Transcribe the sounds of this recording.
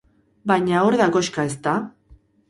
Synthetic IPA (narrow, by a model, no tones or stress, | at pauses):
bajɲaoɾðako̞ʃkae̞s̬t̪a